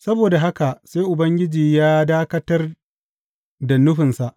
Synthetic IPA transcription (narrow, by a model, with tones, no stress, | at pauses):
sɐ˦boː˨da˨ɦa˦ka˨ʔseː˦jʔʊ˨bɐ˦ŋɡʲɪ˦d͡ʒiː˨jaː˦daː˦kɐ˦tɐ˦r | da˨nʊ˦ɸɪ˨nsa˨ʔ